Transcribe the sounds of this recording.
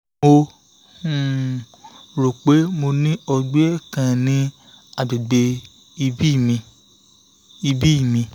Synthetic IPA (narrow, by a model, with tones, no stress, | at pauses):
o˧˨ | ɾo˨k͡pe˨˦mo˧nĩ˦ɔ˧ɡ͡be˦ɛ˦˨kã˧nĩ˨˦ | a˨ɡ͡be˨ɡ͡be˧ | i˧bi˦˨mĩ˧ | i˧bi˦i˦˨mĩ˧